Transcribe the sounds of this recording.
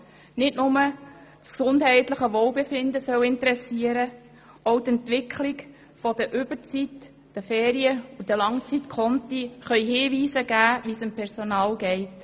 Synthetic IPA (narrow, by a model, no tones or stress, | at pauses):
nɪtnʊmə | sksʊndɦɛɪtləχəʋɔːwbefɪnd̪əsœwɪnt̪əɾɛsiəɾə | ɔwt̪ɛnt̪ʋɪkʰliɡ | fɔd̥̪əʔʏb̥ət͡sit | d̥əfɛːɾiəudəlɑŋt͡sitkʰɔntiχœʏjhɪːʋiːsəɡæːʋisɪmpʰɛɾsɔnɑːlɡɛɪt